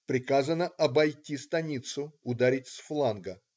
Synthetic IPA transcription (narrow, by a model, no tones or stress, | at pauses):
pɾʲɪkazənəʔɐbɐjtʲist̪ɐnʲit̪sʊʊd̪aɾʲɪtʲsflˠanɡə